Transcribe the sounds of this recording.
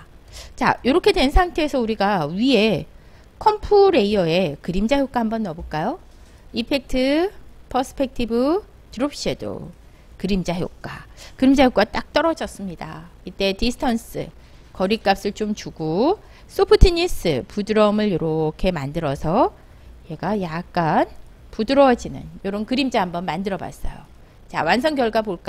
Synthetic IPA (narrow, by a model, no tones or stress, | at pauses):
t͡ɕa̰joɾʌkʰe̞dwe̞nsʰaŋtʰe̞ːsʰʌuɾiɡaɥie̞ | kʰʌmpʰuɾe̞iʌe̞kɯɾimd͡ʑajok͈ahambʌnːʌboɭk͈ajo | ipʰe̞k̚tʰɯpʰʌsʰɯ̥pʰe̞k̚tʰibɯ | tɯɾop̚ɕ͈iedo̰ | kɯɾimd͡ʑajo̰k͈akɯɾimd͡ʑajok͈at͈ak̚t͈ʌɾʌd͡ʑʌs͈ɯmɲida̰it͈e̞tisʰɯ̥tʰʌns͈ɯ̰ | kʌɾik͈ap̚s͈ɯɭt͡ɕ͈omt͡ɕuɡo | s͈ʰopʰɯtʰiɲis͈ɯpudɯɾʌmɯɭjoɾokʰe̞mandɯɾʌsʰʌ | je̞ɡajak̚k͈an | pudɯɾʌd͡ʑinɯ̰njoɾonkɯɾimd͡ʑaɦambʌnmandɯɾʌba̰s͈ʌ̰jo̰ | t͡ɕa̰wans̬ʰʌŋɡjʌɭɡapoɭk͈a